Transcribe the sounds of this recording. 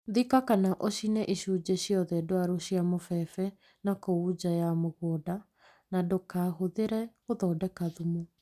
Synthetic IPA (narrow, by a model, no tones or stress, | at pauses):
ðikakanaʔoɕinɛʔiɕud͡ʑeɕjɔðɛdoaɾoɕiamofɛfɛ | nakoud͡ʑajamoɣwɔda | nadokaːɦoðeɾɛ | oðɔːdɛkaðumo